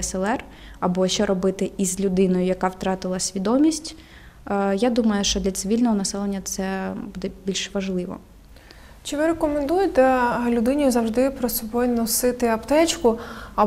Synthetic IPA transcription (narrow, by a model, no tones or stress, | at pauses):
ɛsɛlˠɛr | ɐbɔʃt͡ʃɛɾɔbɪt̪ɪʔizʲlʲʊd̪ɪnɔjʊjɐkɑwt̪ɾɑt̪ɪlˠɐsʲʋʲid̪ɔmʲisʲtʲː | jad̪umɐjʊʃt͡ʃɔd̪lʲɐt̪sɪʋʲilʲnɔɦɔnɐsɛlˠenʲːɐt̪sɛbud̪ɛbʲilʲʃʋɐʒlˠɪʋɔ̰ | t͡ʃɪʋɪɾekɔmend̪ujet̪ɛɦɐlʲʊd̪ɪnʲijʊzɐwʒd̪ɪpɾɔsɔbɔjnɔsɪt̪ɪɐpt̪ɛt͡ʃkʊɐ